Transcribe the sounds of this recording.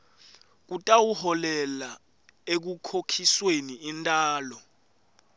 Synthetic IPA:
k̬utʼawuhɔlɛla | ek̬ukʰokʰisweniintʼaːlɔ

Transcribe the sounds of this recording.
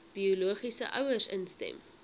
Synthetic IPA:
b̥iuluəχisə̰ʔœwərsənstɛ̰m

